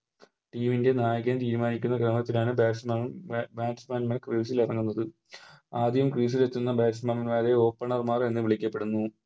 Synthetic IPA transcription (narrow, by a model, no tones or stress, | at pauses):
ʈiːminde̞naːjɐɣɐmt̪iːɾumaːnikʲːunːɐkrɐmɐt̪ːilaːɳɨbaːʈsmabaːʈsmaːnmɐkriːsilirɐŋːunːɐðɨ | aːd̪ʱjɐɐmkriːs̬ilet̪ːunːɐbaːʈsmamɐnmaːðeo̞ːpːɐɳɐrmaːre̞nːɨʋiɭikʲːɐpːe̞ɽunːu